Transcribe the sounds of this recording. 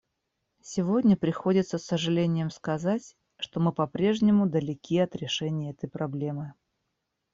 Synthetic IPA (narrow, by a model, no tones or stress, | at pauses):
sʲɪvo̞dʲnʲəpɾʲɪxo̞dʲɪt̪səsːəʐɨlʲenʲɪjəmskɐzatʲ | ʂt̪o̞mɨpɐpɾʲe̞ʐnʲɪmʊd̪əlʲɪkʲiɐt̪ɾʲɪʂɛnʲɪjəɛt̪əjpɾɐblʲemɨ